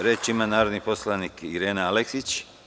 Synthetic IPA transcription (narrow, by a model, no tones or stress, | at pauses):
ɾet͡ʃimanaːɾod̪nipo̞slˠanikiɾeːnealeksit͡ʃ